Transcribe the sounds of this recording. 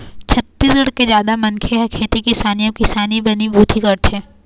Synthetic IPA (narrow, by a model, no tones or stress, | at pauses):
t͡ʃʰɐt̪ːiːsɡɐɽked͡ʒjaːd̪amɐ̃nkʰeɦɐkʰeːt̪ikisaːnijõkisaːnibɐnibʱuːt̪ikɐɾt̪ʰɛː